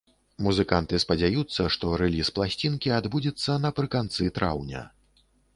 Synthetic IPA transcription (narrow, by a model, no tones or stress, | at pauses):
muzɨkant̪ɨspɐd͡zʲajut̪sːɐʂt̪ɔɾɛlʲisplˠasʲt͡sʲinkʲiad̪bud͡zʲɛt̪sːɐnɐpɾɨkant̪sɨt̪ɾa̰wnʲɐ̰